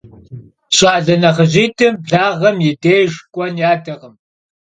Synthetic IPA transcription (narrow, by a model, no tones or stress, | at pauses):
ɕʼaːɮɐnɐχəʑiːtʰɨmɮaːʁɐmjɪdeːjʒkʷʼɔnjaːdɐʁəm